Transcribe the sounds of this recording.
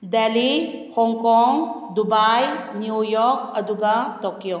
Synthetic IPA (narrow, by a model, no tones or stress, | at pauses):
delihɔŋkɔŋ | d̪ubajnjujɔɾk̚ɐd̪uɡat̪ɔkijo